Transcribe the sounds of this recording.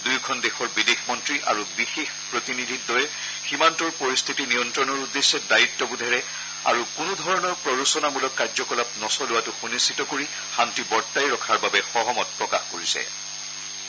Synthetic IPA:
dujkʰɔndexɔɹbidexmɔntɹiʔa̰ɹubixexpɹotinidʱit̚dɔjɛ | ximantɔɹpoɹist̪ʰitinijɔntɹɔnɔɹudesːɛdajitːɔbudʱaɹɛ | a̰ɹukʊnʊdʱɔɹɔnɔɹpɹɔɹusɔnamulɔkːaɹzɔkɔlap̚nɔsɔlʊwatʊxunisitɔkoɹi | xantibɔɹtːajɹɔkʰaɹbabɛxɔɦɔmɔt̚pɹɔkaxkoɹisɛ̰

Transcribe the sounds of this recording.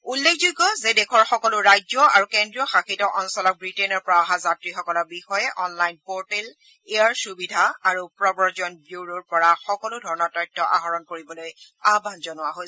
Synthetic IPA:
ulːekʰzuɡɔzɛdɛkʰɔɹxɔkɔlʊɹajzɔa̰ɹukendɹiɔxakʰitɔʔɔnsɔlɔk̚bɹitenɔɹpɔɹaɦazatɹixɔkɔlɔɹbixɔjɛʔɔnlajnpoɹtel | eaɹsubidʱaaɹupɹɔbɔɹd͡ʒɔnbjuɹoɹpɔɹaxɔkɔlʊdʱɔɹɔnɔɹtɔjk̚tɔʔa̰ɦɔɹɔnkoɹibɔloj | abʱanzɔnʊwaɦoj

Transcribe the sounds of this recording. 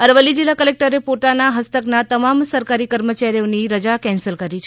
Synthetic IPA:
əɾʋəlːid͡ʒilːakəlek̚ʈəɾepot̪anaɦəst̪əknat̪əmamsəɾkaɾikəɾmət͡ʃaɾijoniɾəd͡ʒakɛ̃nsəlkəɾit͡ʃʰe

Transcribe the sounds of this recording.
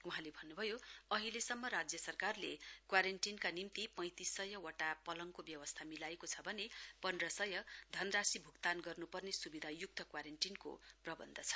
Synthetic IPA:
uɦãlebʱʌnːubʱʌjoʌɦilesʌmːʌɾad͡zjʌsʌrkarlḛkwaɾenʈinkanimt̪ipʌ̃j̃t̪isʌjʌwʌʈapʌlʌŋkobjʌwʌst̪ʰamilaekot͡sʰʌbʱʌnepʌnrʌsʌjʌd̪ʱʌnrasibʱukt̪anɡʌrnupʌrnesubid̪ʱajuk̚t̪ʰʌkwaɾenʈinko̰prʌbʌ̰nd̪ʱʌt͡sʰʌ̥

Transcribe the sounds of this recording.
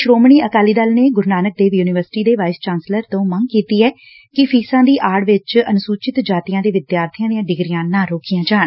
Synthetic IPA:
ʃɾoːmɳiːəkaːliːd̪əlneːɡʊɾnaːnək̚d̪eːʋjuːnɪʋəɾsɪ̥ʈiːd̪eːʋaːɪst͡ʃaːnsləɾt̪õːməŋɡkiːt̪iːɛː | kɪpʰiːsãːd̪iːʔaːɽʋɪt͡ʃənʊsuːt͡ʃɪt̪d͡ʒaːt̪ijãːd̪eːʋɪd̪jaːɾt̪ʰɪjãːd̪iãːɖɪɡɾijãːnaːɾoːkʰijãːd͡ʒaːɳ

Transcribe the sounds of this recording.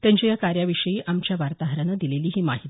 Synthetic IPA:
t̪jãɲt͡ɕijakaɾjaʋiʂəjiːʔamt͡ɕjaʋaɾt̪aɦɾənəd̪ileliːɦiːmaɦit̪i

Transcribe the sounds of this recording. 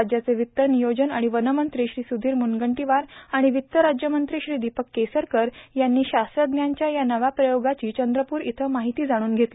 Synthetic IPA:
ad͡ʑjat͡seʋit̪ːənijod͡ʑənaɽ̃iʋənəmənt̪ɾiːɕɾiːsud̪ʱiːɾmunɡəɳʈiʋaɾaɽ̃iʋit̪ːəɾad͡ʑjəmənt̪ɾiːɕɾiːd̪ipəkːesəɾkəɾjanːiːɕasəd̪njaɲt͡ɕjajanəʋapɾəjoɡat͡ɕiːt͡ɕənd̪ɾəpuːɾit̪ʰəmaɦit̪iːd͡zaɽ̃uːnɡʱet̪li

